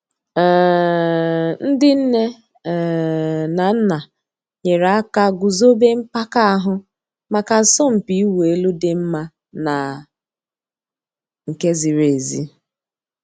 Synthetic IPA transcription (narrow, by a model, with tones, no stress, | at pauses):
n̩˦dɪ˦n̩˦ne˦˨ | na˨n̩˦na˨ | ɲe˨ɾa˨˦a˦ka˦ɡʊ˨zo˦be˦m̩˦pa˦ka˦a˦ɦʊ˦ | ma˨ka˨˦sɔ˦m̩˨pi˨˦i˦we˦lu˦dɪ˦m̩˦ma˦ | na˨ | ŋ̩˨ke˦zi˨ɾe˨zḭ˦